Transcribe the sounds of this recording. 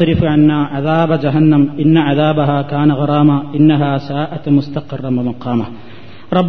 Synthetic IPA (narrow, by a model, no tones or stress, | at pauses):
ɾɪfʕanːaːʕaðaːbad͡ʒɐɦanːamʔɪnːaʕaðaːbaɦaːkaːnaɣɑɾˤɑːmaʔɪnːaɦaːsaːʔat̪mʊst̪ɐqɪrˤːɑmɐmɑqɑːma | ɾˤɑbː